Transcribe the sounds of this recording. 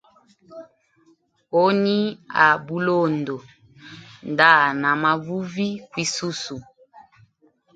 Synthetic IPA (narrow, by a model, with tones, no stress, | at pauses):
o˦ni˦a˨bu˦lo˦˨ndo˨ | nda˦˨na˨ma˨vu˦vi˦kwi˦su˦su˨